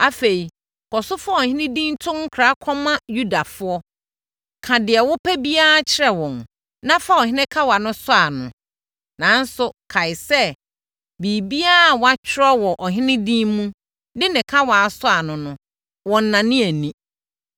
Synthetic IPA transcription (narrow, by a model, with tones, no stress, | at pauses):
a˦fe˨i˨ | kʰɔ˨sʊ˦fʊ˦ɔ˨ɦɪ̃˦nɪ̃˦dĩ˦n˦tʰʊ̃˦ŋ̩˦kʰɾa˦kʰɔ˦mã˦ju˦da˨fʊ˦ɔ˦ | kʰã˨dɪ˨ɛ˨wʊ˦pʰæ˦bi˦a˦a˦t͡ɕʰɪ˦ɾɛ˨wɔ̃˨n | nã˦fa˦ɔ˨hɪ̃˦nɪ̃˦kʰa˦wa˨nʊ̃˦sʊ˦a˨nʊ̃˨ | nã˨˦n˦sʊ˨kʰa˨ɪ˨sɛ˦ | bi˨bi˦a˦˨wa˦t͡ɕʰᶣɪ˦ɾɔ˦wɔ˨ʔɔ˨ɦɪ̃˦nɪ̃˦dĩ˦mmũ˦ | dɪ˦nɪ̃˨kʰa˦waː˨sʊ˦a˨nʊ̃˨nʊ̃˨ | wɔ̃˨n̩˨nã˨nɪ̃˦æ˨nĩ˦